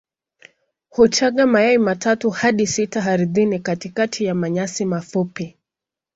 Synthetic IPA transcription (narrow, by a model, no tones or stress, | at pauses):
hut͡ʃaɠamajaimatʰatuhaɗisitaɦaɾiðinikatikatʰijamaɲasimafupi